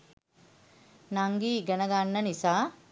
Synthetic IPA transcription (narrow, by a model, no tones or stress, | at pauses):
naŋɡiːɡənəɡanːənisaː